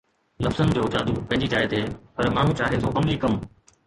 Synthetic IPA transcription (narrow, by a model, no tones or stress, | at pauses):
lɐfz̥ənɪd̪ijot͡ɕaːd̪uːpɐ̃ɦɪ̃ɲd͡ʑiːd͡ʑaːet̪eːpɐɾmaːɳ̤ũt͡ɕʰaːɦet̪ʰoːkɐmliːkɐm